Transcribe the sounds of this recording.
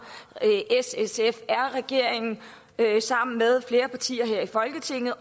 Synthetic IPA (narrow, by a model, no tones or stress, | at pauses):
ʔesesefæɐ̰ʁɛɡ̥e̝ɐ̰e̝ŋn̩ | øsɑ̈m̰n̩með̞ˠfle̝ːɐpʰɑ̈t͡sʰḭːɐɦeɐ̰ifɒ̽lɡ̥ət͡sʰe̝ŋ̰ð̞̩ˠ